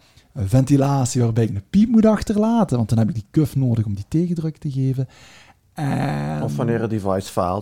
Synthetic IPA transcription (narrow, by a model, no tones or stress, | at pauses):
əvɛntilaːsiʋaːrbɛjɪk̚nəpip̚mutɑxtərlaːtənʋɑntdɑnɦɛbɪɡ̚dikøfnoːdəɣɔmditeːɣədrɵk̚təɣeːvən | ɛɔfʋɑnɪːɾədevajsfa̰ːlˠ